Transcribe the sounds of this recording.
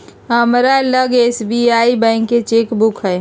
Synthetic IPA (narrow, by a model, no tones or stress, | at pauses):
ɦəmɾaləɡesbiaibə̃ɪ̃kːet͡ʃekbukɦəj